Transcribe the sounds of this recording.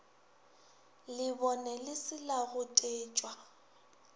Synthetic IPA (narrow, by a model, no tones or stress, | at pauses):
lɪbɔnɛlɪsɪlaɣʊtʼeːt͡ʃʼwa